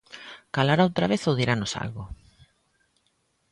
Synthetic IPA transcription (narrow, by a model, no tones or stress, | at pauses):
kalaɾaowt̪ɾaβeθowðiɾanʊsa̰lɣʊ